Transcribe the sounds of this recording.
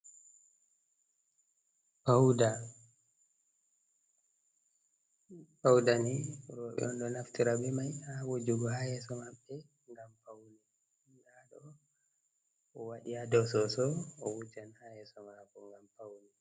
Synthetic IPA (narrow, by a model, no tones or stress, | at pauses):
pawda | pawdaniuɾɔɓɛ̰ɔnɗɔnaftiɾabɛmajawod͡ʒuɡɔhajɛsɔmaɓːɛ | ŋɡampawli | ɗaɗɔ | ɔwaɗiadɔsɔsɔːwud͡ʒanhajɛsɔmakɔŋɡampawli